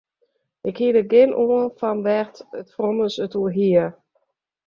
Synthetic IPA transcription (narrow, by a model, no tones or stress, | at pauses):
ʔɪkhiədəɡɪnʔoənfanʋɛxtətfrɔnəsətuəɦiə